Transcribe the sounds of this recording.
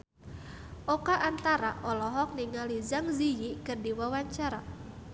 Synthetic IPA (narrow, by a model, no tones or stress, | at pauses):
ʔɔkaʔant̪aɾa̰ʔɔlɔɦɔk̚niŋalizaŋzijikɨrdiwawaɲt͡ʃaɾa